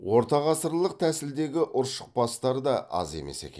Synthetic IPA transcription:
wo̞ɾt̪ɑʁɑsəɾlˠəq̚t̪ʰæsɪld̪e̞ɡʲɪʔʊɾʃə̥q̚pɑst̪ɑɾd̪ɑʔɑ̰ze̞̰me̞̰se̞̰kʲḛ

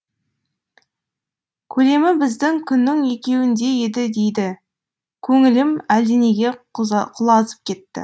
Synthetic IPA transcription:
kʲʰɵle̞mɪbɪzd̪ɪŋkʲʰʏnːɪŋe̞kʲe̞wɪnd̪e̞je̞d̪ɪd̪e̞jd̪ɪ | kʲʰɵŋɪlɪmæld̪ene̞ɡʲe̞qʰʊlˠɑzə̥p̚kʲʰe̞t̪ːɪ̰

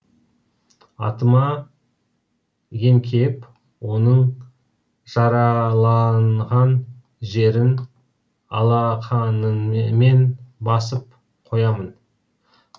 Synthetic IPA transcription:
ɑ̰t̪əmɑ | je̞mkʲʰe̞p | wo̞nəɴ | ʒ̥ɑɾɑlˠɑnʁɑn | ʒe̞ɾɪn | ɑ̰lˠɑqʰɑnəme̞nbɑsəp̚ | qʰo̞jɑmən

